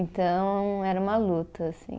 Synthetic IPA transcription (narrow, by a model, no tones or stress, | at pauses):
nt̪ɐ̃w̃ɛɾɐũmɐlut̪ɐːssḭ̃